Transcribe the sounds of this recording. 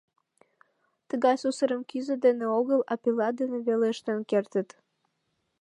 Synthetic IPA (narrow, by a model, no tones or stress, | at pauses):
t̪əɣɑjsusəɾəmkyzəd̪eneoɣəlɑpilɑd̪eneβeleəʃt̪enkert̪ət̪